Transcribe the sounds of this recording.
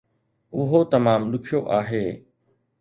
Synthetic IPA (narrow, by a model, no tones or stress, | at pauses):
ʊɦot̪ɐmaːmlʊkʰijoʔaːɦeː